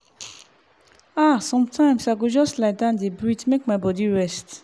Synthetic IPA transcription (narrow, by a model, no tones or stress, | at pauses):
asɔ̃mtʰãɪ̃msaɡod͡ʒɔslaɪdãndebɹitmek̚maɪbɔdiɹɛst